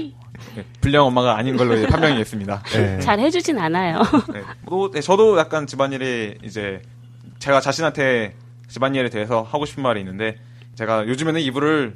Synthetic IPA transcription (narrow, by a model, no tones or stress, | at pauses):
epuʎːʌŋʌmːaɡaːɲinɡʌɭːoid͡ʑe̞pʰamjʌŋies͈ɯmɲidaet͡ɕaɾhe̞d͡ʑud͡ʑinanajone̞oet͡ɕʌdojak̚k͈ant͡ɕibaɲiɾiḭd͡ʑe̞ | t͡ɕe̞ɡat͡ɕaɕʰinɦantʰe̞ | t͡ɕibaɲiɾɯɭte̞ɦesʰʌhaɡoɕʰi̥pʰɯnmaɾiːnːɯnde̞ | t͡ɕe̞ɡajod͡ʑɯme̞nɯnibuɾɯɭ